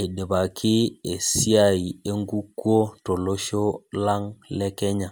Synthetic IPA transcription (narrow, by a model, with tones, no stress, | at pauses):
e˨de˨ba˨kʰi˦e˨si˦a˦˨i˨e˦ŋɡu˦ku˦o˦to˨lo˦ʃo˦la˦ŋlɛ˦kɛ˦ɲa˨